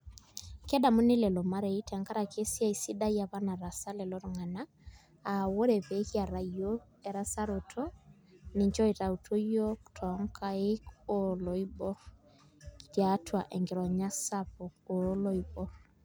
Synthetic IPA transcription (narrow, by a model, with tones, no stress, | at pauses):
kɛ˦da˨mu˦nɪ˦lɛ˨lɔ˨ma˦ɾɛ˨i˦tʰɛ˨ŋɡa˦ɾa˨kʰe˦sja˦˨i˨si˦da˦i˦a˨βa˦na˨ɾa˨sa˦lɛ˨lɔ˦ɾŋa˨naː˦˨ | wo˦ɾɛ˨βe˦hja˨ɾa˨io˦ | ɛ˨ɾa˦sa˦ɾo˨tʰɔ˦ | ne˨ɲt͡ʃɔ˦e˨ta˨u˨tʰo˦jo˦ku̥tʰɔ˦ŋkʰa˦e˦kolɔ˨i˦bɔ˦ | tja˦tʰwa˨ʔɛ˨ŋɡe˨ɾɔ˨ɲa˦sa˦po˨o˨˦lɔ˦i˨bɔ˦